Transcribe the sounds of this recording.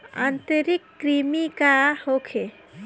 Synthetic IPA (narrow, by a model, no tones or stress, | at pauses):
ã̰nt̪əɾikːɾimikahokʰe